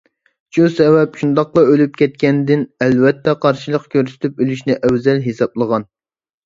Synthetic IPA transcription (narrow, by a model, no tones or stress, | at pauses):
t͡ʃusɛvɛpʃund̪ɑq̚lˠɑølyp̚kʲʰɛt̪̚kʲɛnd̪ɪnɛlvɛt̪ʰːɛqʰɑɾʃilˠəqkʲʰøɾsy̥t̪ʰypølyʃnɪʔɛwzɛlɦesɑplˠəʁɑn